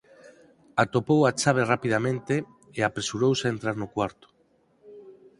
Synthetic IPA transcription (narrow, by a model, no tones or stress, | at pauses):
at̪opowat͡ʃaβ̞erapiðamẽnt̪e | eapɾesuɾowseent̪ɾaɾnokwaɾt̪o̥